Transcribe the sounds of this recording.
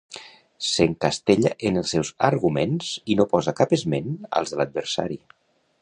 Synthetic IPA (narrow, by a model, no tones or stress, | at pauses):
seŋkast̪eʎəʔenəlˠsɛwzəɾɣumenz̥inopɔzəkapəzmenə̰lˠzðələd̪̚bəɾsa̰ɾi